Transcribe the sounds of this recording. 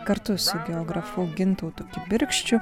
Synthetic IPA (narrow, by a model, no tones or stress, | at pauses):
kɐɾt̪ʊsʊɡʲɛoːɡɾɐfuːɡʲɪnt̪oʊt̪okʲɪbʲɪɾʲkʃʲt͡ʃʲʊ